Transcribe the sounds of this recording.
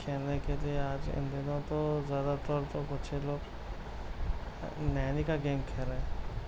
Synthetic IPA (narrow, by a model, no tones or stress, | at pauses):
kʰeːnekelieaːd͡ʒɪ̰̃nd̪inõt̪ozjaːd̪at̪ɔːɾt̪okʊt͡ʃʰeloːɡ | nɛːnikaɡeːmkʰeːɾeẽː